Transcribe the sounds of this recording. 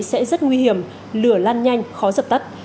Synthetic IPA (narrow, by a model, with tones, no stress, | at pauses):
sɛ̰˧˥zə˦˥t̚ŋwi˧hi˧˩əm | lɨ˧˩əlaː˧nɲa˧jŋ̟xɔ˨˦zəː˨˩p̚t̪ə˦˥t̚